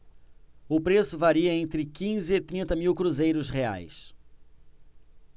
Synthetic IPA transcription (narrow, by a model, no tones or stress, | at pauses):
ʊpɾesʊvaɾiɐẽnt̪ɾɪkĩzɪːt̪ɾĩnt̪ɐmiwkɾuzejɾʊshea̰js